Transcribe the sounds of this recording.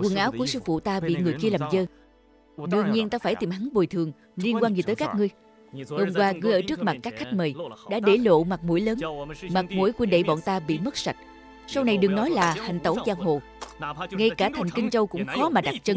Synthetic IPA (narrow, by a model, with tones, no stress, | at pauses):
kwə˨˩nʔaː˨˦wku˧˩əsɨ˧fṵ˧˨t̪aː˧ɓḭ˧˨ŋɨ˨˩əjki˧əlaː˨˩mzəː˧ | ɗɨ˧əŋɲi˧ənt̪aː˧faː˧˩jt̪i˨˩mha˨˦ŋɓo˨˩jt̪ʰɨ˨˩əŋ | li˧ənkwaː˧nzi˨˩əː˨˦jkaː˦˥k̚ŋɨ˧əj | ho˧mkwaː˧ŋɨ˧əjʔəː˧˩t͡ɕɨ˦˥ək̚ma˨˩t̚kaː˦˥k̚xa˦˥jk̟̚mə˨˩jɗa̰ː˧˥ɗe˧˩lo̰˧˨ma˨˩k̚mṵ˧˩jləː˨˦nma˨˩t̚mṵ˧˥˦jkwi˧nɗḛ˧˨jɓɔ̰˧˨nt̪aː˧ɓḭ˧˨mə˦˥t̚sa˨˩k̚ | sa˧wna˨˩jɗɨ˨˩əŋnɔ˨˦jlaː˨˩ha˨˩ŋ̟t̪ə˧˩wzaː˧ŋɦo̰˧˨ | ŋa˧jkaː˧˩t̪ʰa˨˩jŋ̟kï˧ŋ̟t͡ɕə˧wkʊ̰˧˥ŋ͡mxɔ˨˦maː˨˩ɗa˨˩t̚t͡ɕə˧n